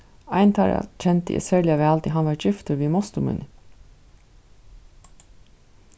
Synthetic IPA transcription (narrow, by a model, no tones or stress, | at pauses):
æɪnt̪ʰɑːɾɑ̰c͡çʰɛnt̪ə̰sæːɭɪɑʋeːɑlt̪ɪɦɑnʋɑːɾd͡ʒɪft̪əɾʋiːmɔst̪ʊmʉ̰n